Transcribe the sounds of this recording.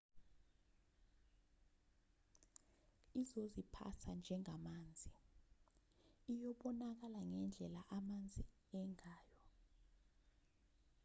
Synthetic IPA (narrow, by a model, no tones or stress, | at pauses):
izozipʰa̰sʰand͡ʒʱɛŋamaːnd͡zʱi | ijɔɓɔnak̬alaŋɛnd͡ɮʱɛlaʔamand͡zʱi | ɛŋaːjɔ